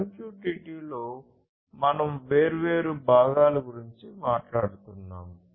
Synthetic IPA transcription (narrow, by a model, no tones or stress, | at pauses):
ɐmpuːʈiʈiːlo̞ː | mɐnɐmʋeːɾuʋe̞ːɾubʱaːɡaːluɡuɾiɲt͡ʃimaːʈlaːɽut̪unːa̰ːm